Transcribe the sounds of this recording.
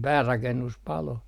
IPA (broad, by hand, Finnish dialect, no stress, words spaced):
pæːrɑkenːus pɑlo